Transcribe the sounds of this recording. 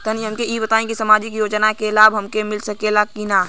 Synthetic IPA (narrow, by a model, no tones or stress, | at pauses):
t̪əniɦəmkeibət̪aːẽkisəmaːd͡ʒɪkjoːd͡ʒnakelaːbɦəmkemɪlsəkelakina